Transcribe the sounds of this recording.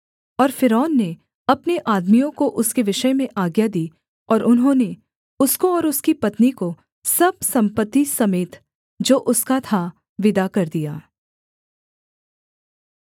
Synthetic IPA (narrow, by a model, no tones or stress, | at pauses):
ɔːɾfɪɾɔːnːe | ɐpneʔaːd̪mijõkoʔʊskeʋɪʃəmẽʔaːɡjad̪iː | ɔːɾʊnɦõne | ʊskoɔːɾʊskipɐt̪niko | sɐb̚sɐ̃mpət̪ːisɐmeːt̪ | d͡ʒoːʔʊskat̪ʰa | ʋɪd̪akɐɾd̪ijaː